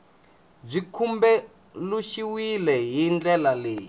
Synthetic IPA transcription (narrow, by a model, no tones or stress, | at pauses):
b͡ʐikʰumbɛ | luʃiwilɛɦind͡ɮɛlaleːji